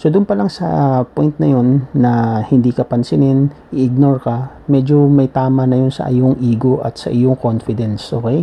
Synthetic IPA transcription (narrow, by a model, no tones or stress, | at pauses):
sod̪ʊnpɐlaŋsɐ̰pojnt̪nɐjo̞nːɐhɪnd̪iːkɐpɐnsɪnɪnʔɪʔɪɡ̚noɹkɐ | mɛd͡ʒo̞mɐjt̪aːmɐnɐjo̞nsɐ̰ʔɪjoŋʔiːɡo̞ʔɐ̰t̪sɐ̰ʔɪjoŋko̞nfɪd̪ɛnsʔo̞ːkɛj